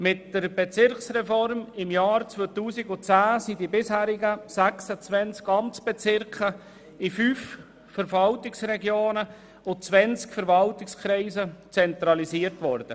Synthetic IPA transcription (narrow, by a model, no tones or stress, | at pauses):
mɪtdəɾb̥et͡sɪɾksrɛfɔɾmɪmjɑːɾt͡svoːtuːsɪɡʊt͡sæːsidibɪshæːɾɪɡəsæksət͡sʋɛnt͡skɑmt͡sb̥ɛt͡sɪɾkχə | ifyːf | fəɾvɑltɪksɾɛɡjoːnə | ʊt͡svɛnt͡skfəɾvɑltɪkskʰɾɛɪzət͡sɛnt̪ɾɑliziəɾtʋɔɾd̥̪ə